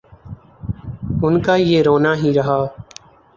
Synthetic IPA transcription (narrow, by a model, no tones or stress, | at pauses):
ʊnkaːjeːɾoːnaːɦiːɾəɦaː